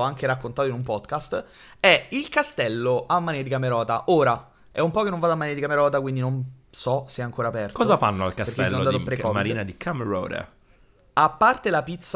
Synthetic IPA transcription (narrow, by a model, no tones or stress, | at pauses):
oaŋk̟eɾakːont̪aːt̪oinumpɔd̪kast̪ | ɛilkast̪ɛlːoamːanɛːɾad̪ikameɾɔːt̪aʔoːɾa | ɛ̰umpɔːkenːõɱvaːd̪oamːaneːɾed̪ikameɾɔːt̪akwind̪inon | sɔseɛaŋkoːɾaːpɛrt̪kɔːzafa̰nːoa̰lkasekt̪eɛ̰lsɔnːd̪at̪pɾekɔmaɾiːnad̪ikʰameɾɔ̰ːɾḛ | apːart̪elapit̪sː